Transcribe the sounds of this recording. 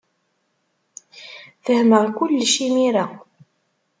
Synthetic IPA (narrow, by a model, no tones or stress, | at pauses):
fəhməɾkʷʊlːʃimiɾa